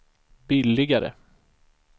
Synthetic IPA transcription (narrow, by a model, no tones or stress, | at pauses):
b̥ɪlːɪɡaɾə̰